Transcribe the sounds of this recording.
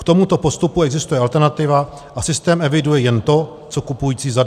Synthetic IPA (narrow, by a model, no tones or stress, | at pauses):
kt̪o̞mut̪o̞po̞st̪upuɛɡzɪst̪ujɛʔalt̪ɛɾnat̪ɪva | ʔasɪst̪ɛːmʔɛvɪdujɛjɛnt̪o̞ | t͡so̞kupujiːt͡siːza